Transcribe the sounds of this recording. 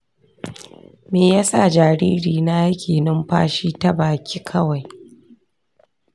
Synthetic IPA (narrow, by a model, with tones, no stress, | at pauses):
meː˨ja˦sa˦˨d͡ʒaː˨ɾiː˦ɾiː˨na˦ja˦kʲʰeː˨nɪ˦mɸa̰ː˦ʃiː˦ta˦baː˨kʲʰiː˦kʰɐ˦wa˨j